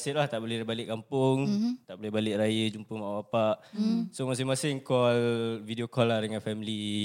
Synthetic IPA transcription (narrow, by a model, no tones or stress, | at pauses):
sɪʔlaht̪aʔbolɛbalɪʔkampʊŋt̪aʔbolɛhbalɪʔɾajəd͡ʒumpəmaʔaapaʔsomas̬ɪŋmasɪŋkɔlvidiokɔlːadəŋanfɛmili